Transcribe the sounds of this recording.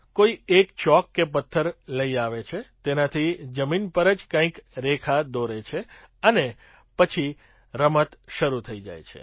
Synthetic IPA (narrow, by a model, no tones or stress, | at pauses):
koiekt͡ʃɔkːep̬ət̪ʰːəɾləiaʋet͡ʃʰet̪enat̪ʰid͡ʒəminpəɾəd͡ʒkãĩkɾekʰad̪oɾet͡ʃʰe | əne | pət͡ʃʰi | ɾəmət̪ʃəɾut̪ʰəid͡ʒa̰jt͡ʃʰḛ